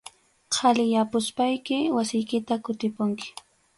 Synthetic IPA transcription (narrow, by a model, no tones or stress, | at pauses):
qʰalɪjapʊspajkɪwasɪjkɪt̪akʊt̪ɪpʊŋkɪ̥